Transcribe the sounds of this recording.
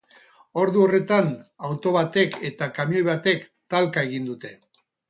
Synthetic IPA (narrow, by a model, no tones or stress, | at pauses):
o̞ɾðuore̞t̪anawt̪o̞βat̪e̞ke̞t̪akamjo̞jβat̪e̞kt̪alkae̞ɣ̞ind̪ut̪e̞